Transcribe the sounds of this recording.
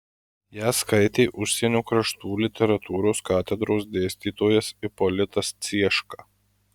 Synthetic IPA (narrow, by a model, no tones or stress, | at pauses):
jæːskɐɪt̪ʲeːʔʊʃʲsʲɛnʲuːkɾɐʃt̪uːlʲɪt̪ʲɛɾɐt̪uːɾoːskɑːt̪ʲɛd̪ɾoːs̬d̪ʲeːsʲt̪ʲiːt̪oːjɛsɪpɔlʲɪt̪ɐst̪sʲiɛʃkɑː